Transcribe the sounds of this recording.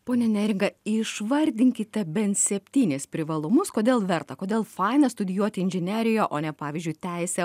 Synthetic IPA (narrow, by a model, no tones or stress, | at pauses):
poːnʲɛnʲɛɾʲɪŋɡɐɪʃʋɐɾʲd̪ʲɪŋʲkʲɪt̪ʲɛbʲɛnt̪sʲɛpʲt̪ʲiːnʲespʲɾʲɪʋɐlˠʊmʊskoːd̪ʲeːlˠʋʲɛɾt̪ɐkoːd̪ʲeːlˠfɐɪnɐst̪ʊd̪ʲɪjuɔt̪ʲɪɪnʲʒʲɪnʲæːɾʲɪjoːʔoːnʲɛpɑːʋʲiːzʲd͡ʒʲʊɪt̪ʲɛɪsʲɛ